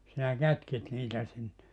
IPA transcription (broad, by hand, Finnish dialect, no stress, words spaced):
sinæ kætkit niːtæ sinːe